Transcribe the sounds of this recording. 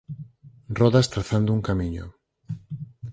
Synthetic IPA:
rɔðast̪ɾaθand̪ʊuŋkamiɲʊ̰

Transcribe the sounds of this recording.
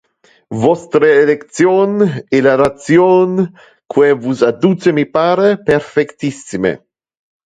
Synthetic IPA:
vɔst̪ɾeːlekt̪sjoːnelaɾat̪sjoːn | kwevuzad̪uːt͡ʃemipaːɾeperfɛkt̪isimḛ

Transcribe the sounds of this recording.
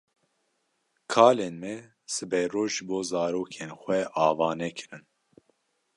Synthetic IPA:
kʰaːleːnmɛ | sɨbɛjroːʒɨboːzɑːɾoːkʰeːnxʷɛʔɑːvɑːnɛkʰɨɾɨn

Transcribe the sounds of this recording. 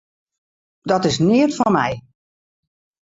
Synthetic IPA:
dɔtɪsnɪətfɔnmɛj

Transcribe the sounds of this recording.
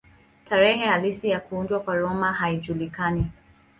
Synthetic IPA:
taɾɛɦɛhalisijakuundwakwaɾɔmahaiʄulikani

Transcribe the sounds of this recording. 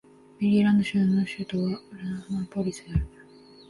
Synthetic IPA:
mʲiɾʲiɾãnd̪oɕɨnːoɕɨːt̪oβaɯɾɯnahamapoɾʲisɨd̪eaɾɯ

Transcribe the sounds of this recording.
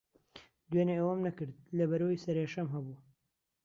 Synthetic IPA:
d̪ɥeneewɐmnɐkɨɾd̪̚lɐbɐɾowisɐɾeːʃɐmɦɐbu

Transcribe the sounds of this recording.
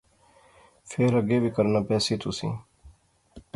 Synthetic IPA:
pʰeːɾəɡeːbʱiːkəɾnaːpɛːsiːt̪ʊsḭ̃ː

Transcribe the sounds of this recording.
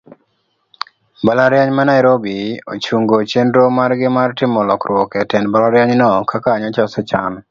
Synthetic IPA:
balaɾjaɲmanaɪɾobio̰t͡ʃuŋɡot͡ʃendɾomaɾɡɪmartɪmɔlɔkrwɔkɛtɛnbalaɾjaɲnɔkʰakaːɲat͡ʃɔsɔt͡ʃan

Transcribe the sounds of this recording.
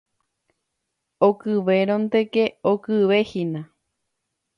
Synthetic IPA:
okɨʋeɾõnt̪ekeokɨʋehinã

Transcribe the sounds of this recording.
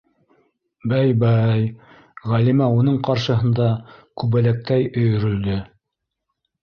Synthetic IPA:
bæjbæj | ʁælimæunɤɴqɑɾʃɤ̆ɦɤ̆nd̪ɑkʉβælæk̚t̪æjɵ̆jɵ̆ɾɵ̆ld̪ɵ

